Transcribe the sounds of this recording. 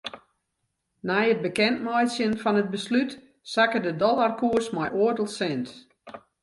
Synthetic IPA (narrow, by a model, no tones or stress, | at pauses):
najət̚bəkɛntmɔjsjənfɔnət̚bəslyt | sakədədɔlarkuəsmajʔoərdəlˠsɛnt